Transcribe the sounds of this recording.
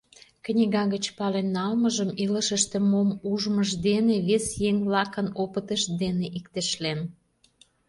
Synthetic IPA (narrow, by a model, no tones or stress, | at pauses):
kənʲiɣɑɣət͡ɕpɑlenːɑlməʒəmiləʃəʃt̪ĕmomuʒməʃd̪eneβesjeŋβlɑkənopət̪əʃd̪eneʔikt̪eʃlen